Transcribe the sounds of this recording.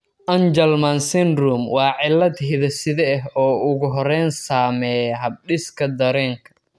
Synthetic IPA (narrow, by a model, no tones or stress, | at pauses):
ʔɐnd͡ʒɛlmɐnsɛnrumwɑːʕɪlːɐd̪ɦɪðɐsɪðɛːɦɔːʊɣʊɦɔɾɛːnsaːmɛjɦɐb̚ɗɪskʰɐd̪ɐɾɛːŋkʰɐ̥